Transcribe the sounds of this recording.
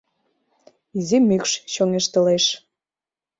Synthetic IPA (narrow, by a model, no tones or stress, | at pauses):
izimykʃt͡ɕoŋeʃt̪ə̆leʃ